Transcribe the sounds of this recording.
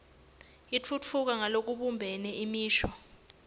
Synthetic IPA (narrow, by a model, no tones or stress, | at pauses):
it͡fʰut͡fʰuk̬aŋalok̬uɓumbʱɛnɛimiːʃwɔ